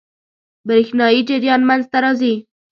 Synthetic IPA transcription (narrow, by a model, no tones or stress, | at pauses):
bəɾexnɑjid͡ʒɪɾjɑnmanzt̪aɾɑzi